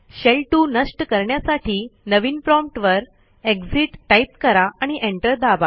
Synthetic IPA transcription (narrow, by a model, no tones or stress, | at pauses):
ɕelʈunəsʈkəɾɳjasaʈiːnəʋiːnpɾɔmpʈʋəɾ | eɡd͡ziʈːajp̚kəɾaʔaɽ̃iʔeɳʈəɾd̪aba